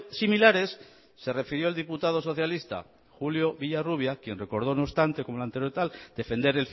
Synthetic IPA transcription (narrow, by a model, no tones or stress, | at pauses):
similaɾe̞sː | e̞re̞fiɾjo̞eld̪iput̪að̞o̞so̞θjalist̪a̰ | xuljo̞βiʎaruβ̞jakje̞nre̞ko̞ɾð̞o̞nost̪ant̪e̞ko̞mo̞lant̪eɾot̪ald̪̥e̞fe̞nd̪e̞ɾe̞lf